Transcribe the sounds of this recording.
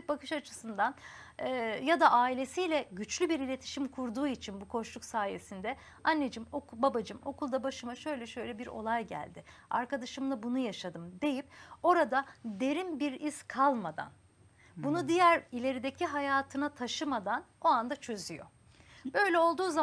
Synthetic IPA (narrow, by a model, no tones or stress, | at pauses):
bakʰɯʃat͡ʃʰɯ̥sɯnd̪anː | jad̪aʔaːilʲe̞sijlʲɛɟyt͡ʃlʲybiɾilʲe̞t̪ʰi̥ʃimkʰuɾd̪uːit͡ʃʰinbukʰo̞ʃlˠuksaːje̞sind̪ɛ | anːed͡ʒɯmo̞kbabad͡ʒɯmo̞kulˠd̪abaʃɯmaʃø̞jlʲɛʃø̞jlʲɛbiɾo̞̰lˠajɟæ̰lʲd̪ɪa̰ɾkad̪aʃɯmlˠabunujaʃad̪ɯmd̪e̞jip̚o̞ɾad̪ad̪e̞ɾimbiɾiskʰalˠmad̪a̰n | bunud̪ijæɾilʲe̞ɾid̪e̞cʰiɦajaːt̪ʰɯnat̪ʰaʃɯmad̪ano̞and̪at͡ʃʰø̞zyjo̞̰ | bø̞jlʲɛo̞lˠd̪uːza